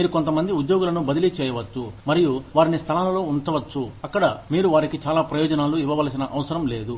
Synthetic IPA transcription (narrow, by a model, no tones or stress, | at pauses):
miːɾuko̞nt̪ɐmɐnd̪iud̪jo̞ːɡulɐnubɐd̪ilit͡ʃɛːjɐʋɐt͡ʃːumɐɾijuʋaːɾinist̪ʰɐlaːlɐlo̞ːunt̪ɐʋɐt͡ʃːuɐkːɐɽɐmiːɾuʋaːɾikit͡ʃaːlaːpɾɐjɔːd͡ʒɐnaːluiʋɐʋaːlsinɐʔɐʋɐsɐɾɐmle̞ːd̪u